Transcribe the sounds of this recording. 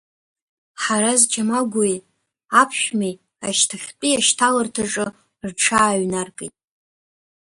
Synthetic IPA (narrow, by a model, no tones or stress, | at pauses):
ħaɾazd͡ʒamaɡʷʊj | apʰʃᶣmij | aʃtʰaχʲpʼiaʃtʰalɨrtʰaʈ͡ʂʼɨ | rʈ͡ʂʰaːɥnarkʼejtʼ